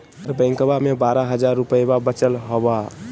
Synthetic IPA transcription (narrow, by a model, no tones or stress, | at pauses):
ɾbə̃ŋkbamebaɾaɦəd͡ʒaɾːupəebabət͡ʃəlɦɔba